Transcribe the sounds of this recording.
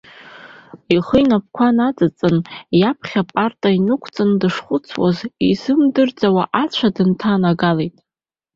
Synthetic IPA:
iχəjnap̚ʰkʷʰanat͡sʼɨt͡sʼɨnjapʰχʲapʼartʼainɨkʷʰt͡sʼɨndɨʂχʷʊt͡sʰwa̰zizɨmdɨrd͡zʼawaʔat͡ɕʷʰadɨntʰanaɡalejtʼ

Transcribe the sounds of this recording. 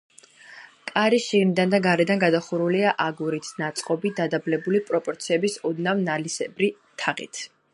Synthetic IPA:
kʼaɾiʃiɡnid̪and̪aɡaɾɛd̪anɡad̪aχuɾuliaʔaɡuɾit̪ʰnat̪sʼqʼɔbid̪ad̪ablɛbulipʼɾɔpʼɔɾt̪sʰiɛbisɔd̪navnalisɛbɾit̪ʰaʁḭt̪ʰ

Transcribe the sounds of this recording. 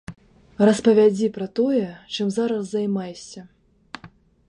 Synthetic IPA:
rɐspɐvʲad͡zʲipɾɐt̪ɔjɛt͡ʂɨmzaɾɐsːɐjmajsʲɐ

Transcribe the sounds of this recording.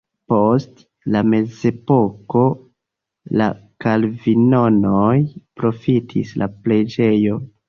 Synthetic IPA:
po̞st | lame̞ze̞po̞ko̞ | la̰kalvino̞nojpɾo̞fitʰḭslaple̞d͡ʒe̞jo̞

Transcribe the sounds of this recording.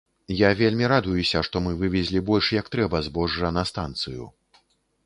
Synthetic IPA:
javʲelʲmʲiɾad̪ujusʲɐʂt̪ɔmɨvɨvʲɛzʲlʲibɔlʲʂjɐkt̪ɾɛbɐzbɔʐːɐnɐst̪ant̪sɨjṵ

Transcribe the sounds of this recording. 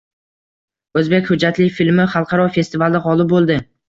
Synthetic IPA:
ɵzbekʲhʊd͡ʒːat̪lɪfilmɪχɑlˠqʰɑɾɒfe̞st̪ɪvalˠɪqɒlˠɪp̚bolˠd̪ɪ

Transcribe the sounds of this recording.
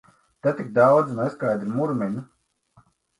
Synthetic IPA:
t̪et̪ʲik̚d̪awd̪znɛskajd̪ɾumuɾmʲɛɲu

